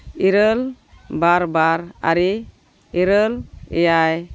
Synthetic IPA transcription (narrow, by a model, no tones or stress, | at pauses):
iɾəl | baɾbaɾa̰ɾi | iɾəlɛ̰jaj